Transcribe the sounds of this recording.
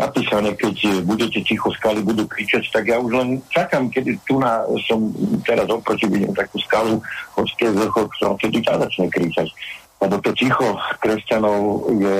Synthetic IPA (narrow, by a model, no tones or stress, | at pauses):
nʔa̰piːsanɛkɛcbuɟɛcɛcixɔskalibud̪uːkɾit͡ʃact̪aɡjaːuʒlɛnt͡ʃakamkɛd̪it̪unasɔmt̪ɛɾazɔpɾɔcibuɟɛ̰mt̪akuskaluxɔt͡skɛzl̩xɔkt̪ɔɾa̰t̪ɛd̪it̪azat͡ʃɲɛkɾit͡ʃac | lɛbɔt̪ɔcixɔkɾɛscanɔʊjɛ